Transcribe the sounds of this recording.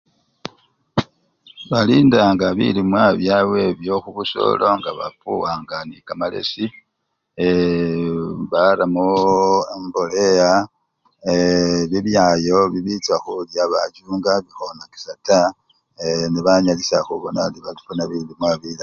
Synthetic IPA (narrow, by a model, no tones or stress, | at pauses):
βaliːndaŋɡaβḭlimwaβjawe̞βjo̞xuβuso̞̰lo̞ŋɡaβa̰puwaːŋɡanikamale̞̰si | βaɾamuembo̞leja | βiβjajo̞βiβit͡saxuljaβa̰ɟuːŋɡaβixo̞naki̥sata | niβaɲalisaxuβonadiβalifunaβilimwaβila